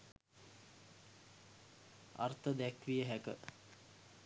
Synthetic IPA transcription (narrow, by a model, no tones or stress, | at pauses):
a̰rt̪əd̪ækʋijəɦækə̰